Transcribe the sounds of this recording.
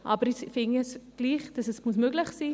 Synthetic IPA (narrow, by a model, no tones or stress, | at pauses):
ʔɑ̰bəɾifɪŋɛsɡ̥liːχd̥ɑsɛsmuəsmøɡlɪχsiː